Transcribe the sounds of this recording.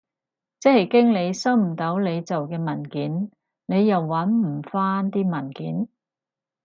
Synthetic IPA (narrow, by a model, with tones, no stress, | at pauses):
t͡sɛː˥hɐ˨˩jkɪ˥ŋle˨˧jsɐ˥wm̩˨˩t̪o˨˥wle˨˧jt͡sɐ˨wkɛː˧mɐ˨˩nkiː˨˥n | ne˨˧jjɐ˨wːɐ˨˥nm̩˨˩faː˥nt̪iː˥mɐ˨˩nkiː˨˥n